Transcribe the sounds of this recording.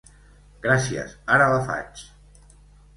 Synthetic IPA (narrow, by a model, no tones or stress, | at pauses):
ɡ̥ɾasiə̰saɾəlafa̰t͡ʃ